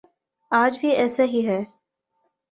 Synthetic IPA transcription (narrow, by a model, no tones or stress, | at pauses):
aːd͡ʒbʱiɛːsaɦiɦɛː